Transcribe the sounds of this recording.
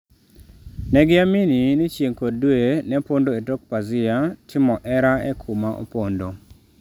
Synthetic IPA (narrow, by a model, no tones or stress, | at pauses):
nɛɡɪamininit͡ʃjeŋkoddwenɛpondoetok̚pazɪatʰɪmɔʔɛɾaɛ̰kʰumaʔo̰pondo